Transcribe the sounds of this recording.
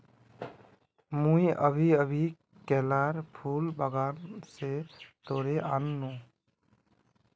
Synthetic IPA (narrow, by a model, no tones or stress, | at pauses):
mũiʔə̰bʱiəbʱi | kɛːlaːɾpʰuːlbəɡaːnset̪oːɾeʔanːõ